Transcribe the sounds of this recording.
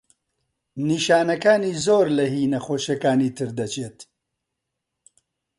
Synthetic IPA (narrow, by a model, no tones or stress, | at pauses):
niːʃaːnɐkaːniːzoːɾlɐhiːnɐxoːʃɐkaːniːt̪ʰɨɾd̪ɐt͡ʃʰeːt̪